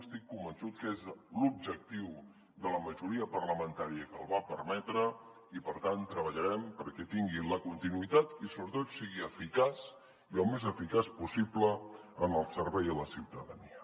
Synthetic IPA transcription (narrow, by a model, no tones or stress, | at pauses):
əst̪ikːumbənsut̪̚kezlub̚ʒək̚t̪iw | d̪ələməʒuɾiəpərləmənt̪aɾiəkəlˠβapəɾmɛt̪ɾə | ipəɾt̪ant̪ːɾəβəʎəɾɛmpəɾkɛt̪iŋɡiləkunt̪inuit̪at̪isoβɾət̪ot̪siɣiəfikas | iəlˠmezəfikaspusipləənəlˠsəɾβɛjðələsiwt̪əðəniə